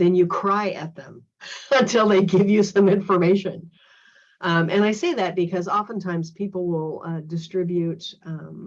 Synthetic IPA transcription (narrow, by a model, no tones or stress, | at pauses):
ðɨ̃njɨkʰɹ̥aɪʔɨt̪̚ðə̃m | ə̃ntʰɪlˠðeɪɡɪvjɨsʌ̃mɪ̃ɱfə˞meɪʃɨ̃n | ʔʌ̃mʔɨ̃ñaɪseɪðɨt̚b̥ɨkʰʌzɑfə̃ntʰãɪ̃mz̥pʰipl̩ˠwɪlˠʌdɨstɹ̥ɪbjʉtʌ̃m